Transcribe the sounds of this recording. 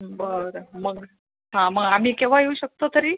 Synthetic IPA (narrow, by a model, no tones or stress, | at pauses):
bəɾɾəməɡ | ɦãməɡam̤iːkeʋ̤ajeuɕək̚t̪ot̪əɾiː